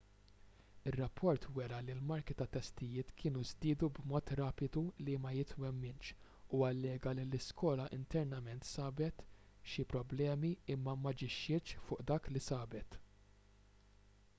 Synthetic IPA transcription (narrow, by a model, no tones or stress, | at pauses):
ɪrːɐpːɔɾt̪wɛɾɐlilmɐɾkit̪ɐt̪ːɛst̪ɪjɪːt̪kʰɪːnuzd̪ɪːd̪ubmɔːt̪ɾɐːpɪd̪ulimɐjɪt̪wɛmːɪnt͡ʃ | uɐlːɛːɡɐlilɪskɔːlɐʔɪ̰nt̪ɛɾnɐmɛnt̪sɐːbɛt̪ | ʃipɾɔblɛːmiɪmːɐmɐd͡ʒɪʃːɪt͡ʃfʊːʔd̪ɐːklisɐːbɛt̪